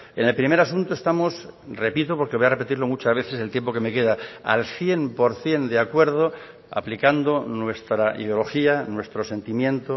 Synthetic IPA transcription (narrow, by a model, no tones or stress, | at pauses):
ene̞lpɾimeɾasunt̪oe̞st̪amosre̞pit̪opo̞ɾkeβojarepe̞t̪iɾlo̞mut͡ʃazβeθese̞lt̪jempo̞ke̞me̞ke̞ðaa̰lθje̞mpoɾθje̞nd̪eakwe̞ɾð̞o | a̰plikand̪onwe̞st̪ɾaḭðeo̞lo̞xianwe̞st̪ɾo̞se̞nt̪imjẽ̞nt̪o